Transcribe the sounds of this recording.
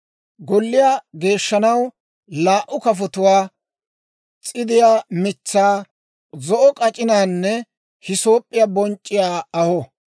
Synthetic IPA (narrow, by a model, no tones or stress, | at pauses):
ɡɔlːɪjaːɡe̞ːʃːɐnɐw | laːʔːʊkɐf̬ɔt̪ʊwaː | t͡sʼɪd̪ɪjaːmɪt͡sːaː | zɔʔɔkʼɐt͡ʃʼɪnaːnːɛ | hɪso̞ːpʼːɪjabɔnt͡ʃʼːɪjaːɐhɔ